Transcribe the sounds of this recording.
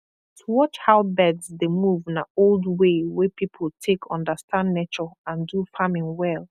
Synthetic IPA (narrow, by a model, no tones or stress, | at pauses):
tʰuwɔt͡ʃhaʊbɛdzdemuṽnaoldwewepipʰəl̩ˠtʰekʰɔ̃ndəstʰãndnet͡ʃɔãndufamɪ̃ŋwɛlˠ